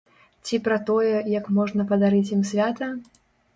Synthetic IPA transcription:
t͡sʲipɾɐt̪ɔjɛjɐkmɔʐnɐpɐd̪aɾɨt͡sʲjimsʲvʲat̪ɐ

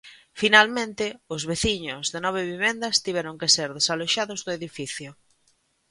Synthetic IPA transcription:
finalmẽnt̪ɪʊzβeθiɲʊzðenɔβ̞eβiβɛnd̪ɐst̪iβ̞ɛɾʊŋkeseɾðesaloʃaðʊzðʊeðifiθjʊ

